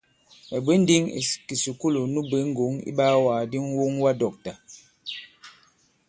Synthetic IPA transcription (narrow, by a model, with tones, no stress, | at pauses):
mɛ˨be˦n̩˦di˦ŋḛ˨ki˨su˨ku˦lo˨nu˦be˨˦ŋ̩˦ɡo˨˦ŋḭ˦ɓaː˦waː˨di˦ŋ˦wo˦ŋwa˦dɔ˨k̚ta˨